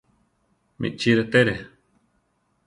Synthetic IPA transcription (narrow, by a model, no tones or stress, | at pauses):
mḭʔt͡ʃiɾet̪eɾe